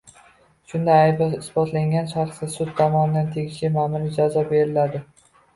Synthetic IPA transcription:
ʃʊnd̪ajajbaɪsbɒt̪laŋɡʲanʃaɾχsɪsʊt̪ʰːɒmɒnɪd̪ant̪ʰe̞ɡʲɪʃlɪmamɪlɪd͡ʒazɒbe̞ɾɪlad̪ɪ

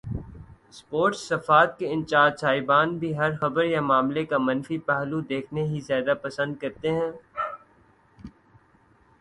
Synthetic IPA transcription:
spoːɾʈsːɐfaːt̪̚keɪ̃nt͡ʃaːd͡ʒ̪saːɪbaːnbʱiɦɐɾxɐbəɾjamaːmlekamɐ̃nfipɛɦlud̪eːkʰneɦizjaːd̪apɐsə̃nd̪̚kɐɾt̪eɦɛ̃ː

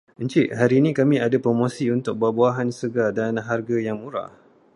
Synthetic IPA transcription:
əɲt͡ʃiʔɦaɾinĩkamĩadapɾomõsiunt̪ʊk̚bəbuaɦansəɡadanɦarɡajaŋmuɾa̰h

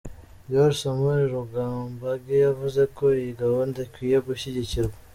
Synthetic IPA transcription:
joɾsomuɾiɾuɡaːmbaɡejavuzekoiɡawond̪akwiːjeɡuɕiɟiciɾɡa

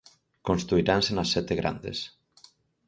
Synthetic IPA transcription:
konst̪ɾuiɾansenasːɛt̪eɣɾa̰nd̪ḛs

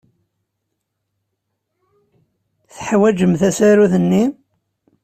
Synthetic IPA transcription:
θħwæd͡ʒəmθæsæɾuθənːi

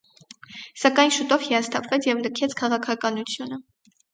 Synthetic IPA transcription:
sɑkɑjnʃut̪ɔvhiɑst̪ʰɑpʰvɛt͡sʰjɛvnəkʰɛt͡sʰkʰɑʁɑkʰɑkɑnut͡sʰjunə

